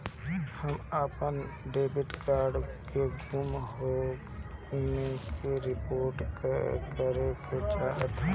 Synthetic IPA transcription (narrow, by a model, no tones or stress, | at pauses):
həmapənɖeːbɪʈkaːɾɖkeɡuːmɦo | ekeɾɪpoːɾʈkkəɾeked͡ʒaːɦt̪e